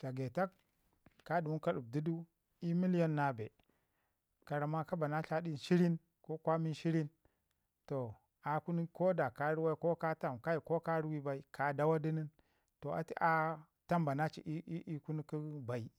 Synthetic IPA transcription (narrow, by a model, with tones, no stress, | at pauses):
t͡ʃa˨ɡe˨ta˦kː | a˦du˨wu˦ka˦ɗu˨b̚di˦du˦ | i˦mi˦lja˦nːa˨be˨ | ka˨ɾa˨ma˦ka˦ba˨na˦t͡ʃa˦ɗi˦˨n˨ʃi˦ɾi˦n | ko˦kʷa˦mi˦ʃi˦ɾi˦n | to˨ | a˨ku˦ni˦ko˦da˨ka˦ɾi˦wa˦i˦ko˦ka˦ta˦mka˦ji˨ko˦ka˦ɾi˦wi˦ba˨i˦kʰa˨da˦wa˦di˦ni˦n | to˨ʔa̰˨ti˦ʔa˦ | ta˦mba˨na˦t͡ʃḭ˨ʔi˦i˦i˦ku˦ni˦ki˦ba˨i˦